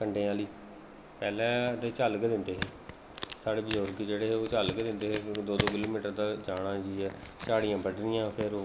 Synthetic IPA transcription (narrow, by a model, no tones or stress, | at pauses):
kəɳɖeːaːliː | pɛːlɛ̃ːd̪eːt͡ʃaːlɡd̪ɪnd̪eːɦeː | saːɽeːbɪd͡ʒoːɾɡiːd͡ʒeːɽeːɦeːoːt͡ʃaːlɡd̪ɪnd̪eːɦeːd̪oːd̪oːkɪloːmiːʈəɾd̪aːd͡ʒaːɽãːd͡ʒiːɛːt͡ʃaːɽɪjãːbəɖnɪjãːpʰɪɾː